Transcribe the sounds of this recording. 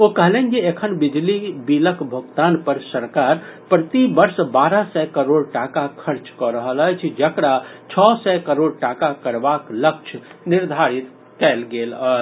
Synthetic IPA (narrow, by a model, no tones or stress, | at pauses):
okəɦlɛnkiekʰənbid͡ʒlibiləkʰbʱuɡt̪anpəɾsəɾkaɾpɾət̪ibəɾsbaɾasɛkəɾoɽʈakakʰəɾt͡ʃkɔɾəɦələjt͡ʃʰd͡ʒəkɽat͡ʃʰɔsɛkəɾoɽʈakakəɾbaklək̚t͡ʃʰniɾd̪ʱaɾit̪ | kɛlɡelə